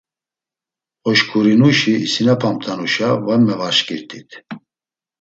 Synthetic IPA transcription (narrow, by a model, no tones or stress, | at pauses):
ɔʃkʰuɾinuʃiːsinapʰamt̪ʰʼanuʃavamːɛvaɾʃkʼiɾt̪ʰʼit̪ʰ